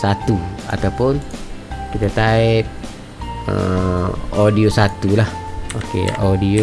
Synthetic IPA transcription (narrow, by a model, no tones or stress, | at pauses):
sat̪ua̰t̪awpʊnkit̪at̪aɪt̪̚ | ə̰ | odiosat̪ulahokḛodio